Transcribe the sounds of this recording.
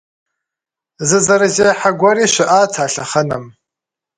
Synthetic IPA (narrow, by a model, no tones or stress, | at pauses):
zɨzaɾazejħaɡʷaɾiʃʷɪʔat͡sʰaːɬaχənam